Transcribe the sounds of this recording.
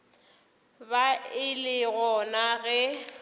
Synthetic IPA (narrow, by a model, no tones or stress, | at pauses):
baɪlɪɣɔnaɣɛ